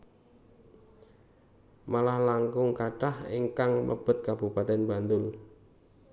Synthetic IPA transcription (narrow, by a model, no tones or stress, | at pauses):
malahlaŋkʊŋkaɖahiŋkaŋlə̰b̥ə̤t̪̚kab̥upat̪ɛnba̤nd̪ʊl